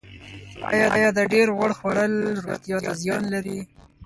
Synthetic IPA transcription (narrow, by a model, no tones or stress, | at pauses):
ɑ̰jɑd̪ɑjɑd̪əɖeɾɣaɽxwaɽəlɾot̪jɑt̪azjɑnlaɾi